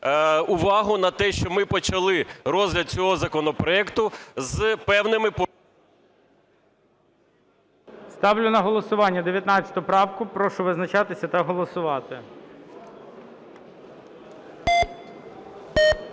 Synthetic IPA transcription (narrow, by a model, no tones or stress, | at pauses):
ʊʋɑɦʊnɐt̪ɛʃt͡ʃɔmɪpɔt͡ʃɐlˠɪɾɔzʲlʲɐd̪̚t͡sʲɔɦɔzɐkɔnɔpɾɔɛkt̪ʊzpɛwnɪmɪp | st̪ɑwlʲʊnɐɦɔlˠɔsʊʋɑnʲːɐd̪eʋjɐt̪nɑt͡ssʲɐ̥t̪ʊʊpɾɑwkʊpɾɔʃʊʋɪznɐt͡ʃɑt̪ɪsʲɐt̪ɐɦɔlˠɔsʊʋɑt̪ɪ